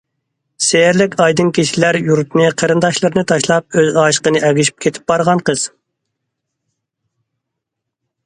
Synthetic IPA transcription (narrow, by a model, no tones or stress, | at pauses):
sejɾlɪkʲɑjd̪ɨnkʲʰiʃilæɾjuɾt̪nɨqʰəɾɨnd̪ɑʃlˠəɾnɨt̪ʰɑʃlˠɑp̚øzɑːʃə̥qənɨʔɛɡʲyʃy̥p̚kʰʲet̪ʰɪ̥p̚bɑɾʁɑnqʰəz̥